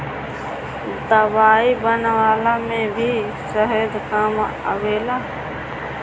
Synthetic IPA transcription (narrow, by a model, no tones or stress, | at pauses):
d̪əʋaːibənʋaːlamẽbʱiː | ʃəɦəd̪kam | ə̰ʋeːlaː